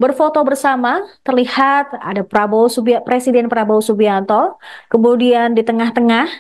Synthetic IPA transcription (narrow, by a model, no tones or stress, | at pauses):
bərfot̪ɔbərsamat̪ərlihat̪̚a̰dapɾabowsubpɾesidɛnpɾabawsubiant̪ɔkəmudiandit̪əŋaht̪əŋah